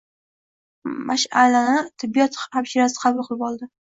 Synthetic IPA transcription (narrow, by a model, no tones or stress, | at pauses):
maʃalanɪt̪ʰɪbːijɒt̪apʃɪɾasɪ̥qʰɑbɨlˠqʰʊlˠɪpɒlˠd̪ɪ